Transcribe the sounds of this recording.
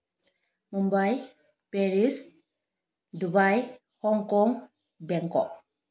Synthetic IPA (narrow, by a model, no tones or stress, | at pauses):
mumbaj | peɾis | dubaj | hɔŋkɔŋ | bɛŋkɔ̰